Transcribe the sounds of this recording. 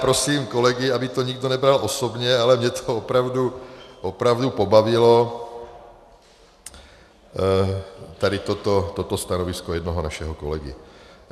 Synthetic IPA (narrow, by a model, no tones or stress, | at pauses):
pɾosiːmkolɛɡɪabɪt̪oɲiɡdonɛbɾalʔosobɲɛalɛmɲɛt̪ʰoopɾavduʔopɾavdupobavɪlo | t̪adɪt̪ot̪ot̪ot̪ost̪anovɪskojɛd̪noɦonaʃɛɦokolɛɡɪ̰